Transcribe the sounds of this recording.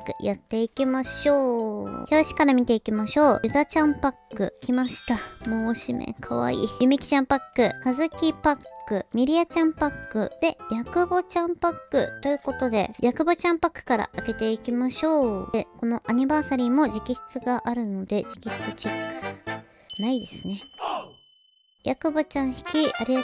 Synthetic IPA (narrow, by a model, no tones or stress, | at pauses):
kɯ̟̰jʔat̪ːe̞ikʲimaɕo̞ːçʲo̞ːɕi̥kaɾamʲit̪e̞ikʲimaɕo̞ːjɯ̟d̪at͡ɕãmpakːɯ̟̰kʲimaɕi̥t̪amoːɕimḛ̃ŋkʰaβa̰ḭːjɯ̟mekʲi̥t͡ɕãmpakːɯ̟hazɨkʲipakːɯ̟mʲiɾʲiat͡ɕãmpakːɯ̟̰d̪̥e̞jakɯ̟bo̞t͡ɕãmpakːɯ̟̰t̪o̞jɯ̟ːko̞t̪o̞d̪e̞̰jʔakɯ̟bot͡ɕãmpakːɯ̥kaɾa̰ʔːke̞t̪e̞ikʲimaɕo̞ːeko̞no̞ʔaɲ̟ibaːsaɾʲiːmo̞ʑikʲiɕi̥t͡sɨɡaʔaɾɯ̟no̞d̪e̞d͡ʑikʲiɕi̥t͡sɨt͡ɕekːɯ̥ | naid̪e̞sɨ̥ne̞ | jakɯ̟bot͡ɕãɰ̃çi̥kʲiʔaɾʲi